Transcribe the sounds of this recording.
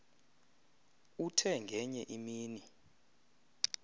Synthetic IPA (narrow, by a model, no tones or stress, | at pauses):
utʰɛŋɡʱɛɲɛʔimiːni